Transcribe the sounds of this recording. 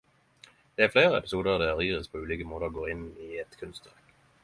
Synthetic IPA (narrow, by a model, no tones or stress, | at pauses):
d̪̥ɛːæɾfleːɾəɛ̰pɪsuːd̪əʁd̪ɛæɾiːʁəspʰoːʉːliːkəmoːt̪əʁoːɡoːɪniɛt̪kʰʉnst̪ʋæʁk